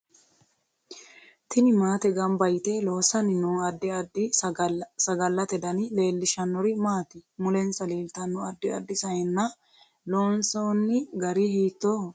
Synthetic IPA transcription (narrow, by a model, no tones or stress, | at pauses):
t̪ʰɪnɪmaːt̪ɛɡɐmbɐjt̪eloːsɐnɪnuːɐd̪ɪɐd̪ɪ | sɐɡɐlːɐt̪ɛd̪ɐnɪle̞ːlːɪʃɐnːɔɾɪmaːt̪ɪmʊlɛnsɐliːlt̪ɐnːɔɐd̪ːɪɐ̰d̪ːɪsɐjɛnːɐ | loːnsoːnːɪɡɐɾihiːt̪ːoː